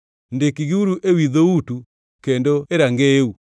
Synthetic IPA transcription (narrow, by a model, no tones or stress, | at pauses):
ndekiɣiuɾuʔewiðoutu | kendoeɾaŋɡeu